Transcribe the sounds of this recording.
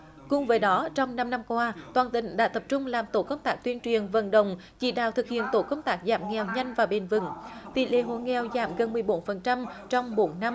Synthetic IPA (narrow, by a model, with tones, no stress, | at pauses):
kʊ̰˨˧˩ŋ͡mvəː˨˦jɗɔ˨˦t͡ɕɔ˧wŋ͡mna˧mna˧mkwaː˧t̪waː˨˩nt̪ï˧˨˩ŋ̟ɗa̰ː˧˥t̪ə˨˩p̚t͡ɕʊ˧ŋ͡mlaː˨˩mt̪o˧˩kə˧wŋ͡mt̪aː˦˥k̚t̪wi˧ənt͡ɕwi˨˩ənvə̰˧˨nɗə˧˨wŋ͡m | t͡ɕḭ˧˩ɗa̰ː˧˨wt̪ʰɨ˨˩k̚hḭ˧˨ənt̪o˧˩kə˧wŋ͡mt̪aː˦˥k̚zaː˧˩mŋɛ˨˩wɲa˧jŋ̟vaː˨˩ɓe˨˩nvɨ̰˧˨˩ŋt̪ḭ˧˨lḛ˧˦ɦo̰˧˨ŋɛ˨˩wza̰ː˧˩mɣə˨˩nmɨ˨˩əjɓo˨˦nfə˨˩nt͡ɕa˧mt͡ɕɔ˧wŋ͡mɓo˨˦nːa˧m